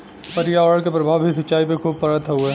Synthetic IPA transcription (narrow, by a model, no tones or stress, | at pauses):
pɐɾjeɔːɽəɽkepɾɐbʱaːʋbʱisɐtːt͡ʃaːipekʰuːb̚pɐɾət̪ʰɐɦueː